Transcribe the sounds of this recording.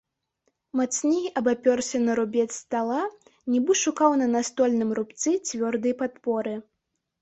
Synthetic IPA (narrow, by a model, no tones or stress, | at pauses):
mat̪snʲijʲiʔɐbapʲɔrsʲɛnɐɾubʲɛsʲt̪alˠanʲɛbɨʂukawnɐnast̪ɔlʲnɨmrupt̪sɨt͡sʲvʲɔrd̪ɨjpat̪pɔɾɨ